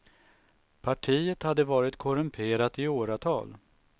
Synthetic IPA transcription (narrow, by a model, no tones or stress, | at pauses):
pʰaʈʰiːət̪had̪ːəvɑːɾɪt̪kʰɔɾɵmpʰeːɾat̪ɪoːɾat̪ʰɑ̰ːl